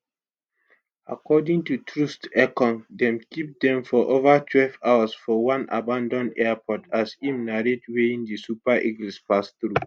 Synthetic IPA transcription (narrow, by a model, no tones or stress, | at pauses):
akɔdĩŋtutʰɹustɛkɔ̃ndɛ̃mkip̚dɛ̃mfɔʔovatʰwɛlvawasfɔwãna̰bãndɔ̃nɛapʰɔtʰasĩmnaɹetweĩndisupaʔiɡlispasθɹu